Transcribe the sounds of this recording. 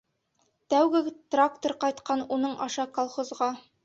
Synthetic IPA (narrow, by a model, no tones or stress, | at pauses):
t̪æwɡɘt̪rakt̪oɾqɒjt̪qɑnunɤɴɒʃɑkolˠχozʁɑ